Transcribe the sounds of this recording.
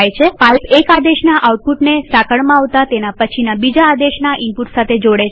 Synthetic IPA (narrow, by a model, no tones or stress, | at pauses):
jt͡ʃʰepalpekad̪eʃnaʔauʈ̚puʈnesakəɭmãaʋt̪at̪enapət͡ʃʰinabid͡ʒaːd̪eʃnaʔimpuʈsat̪ʰed͡ʒoɽe